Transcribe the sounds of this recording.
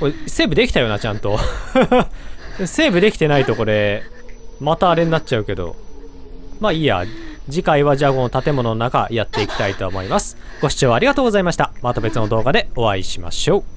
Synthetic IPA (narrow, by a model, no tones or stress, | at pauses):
koese̞ːbɯ̟d̪e̞kʲi̥t̪ajo̞ːnat͡ɕãnt̪o̞ | se̞ːbɯ̟d̪e̞kʲi̥t̪e̞nait̪o̞ko̞ɾe̞ | mat̪aːɾe̞ɲ̟inat͡ɕ̚t͡ɕaɯ̟ke̞d̪o̞̰ | maia̰d͡ʑikaiβaʑaːɡo̞nt̪at̪e̞mo̞no̞nonaka̰jat̪ːe̞ikʲi̥t̪ait̪o̞mo̞imasɨ̥ɡ̥o̞ɕi̥t͡ɕo̞ːaɾʲiɡat̪oːɡo̞zaimaɕi̥t̪amat̪ːo̞be̞t͡sɨno̞d̪o̞ːɡad̪e̞o̞βaiɕima̰ɕo̞ː